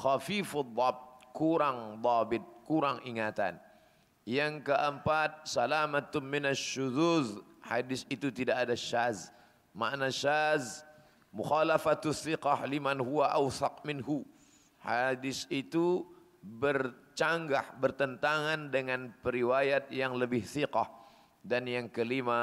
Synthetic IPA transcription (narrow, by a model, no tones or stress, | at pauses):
xafifad̪ˤːɑb̚t̪̚kuɾaŋd̪ˤɑbɪt̪̚kuɾaŋiŋat̪a̰n | jaŋkəʔəmpat̪̚salamat̪mɪnaʃːud̪uðhadɪsit̪ut̪idaʔadaʃaz | ma̰ʔnaʃaz | muxalafat̪aθːiqɑhlimanɦuwaʔawθɑq̚mɪnɦu | hadɪsit̪u | bərt͡ʃaŋɡahbərt̪ənt̪aŋandəŋanpəɾiwajat̪̚jaŋləbɪhθiqɑh | danjaŋkəlima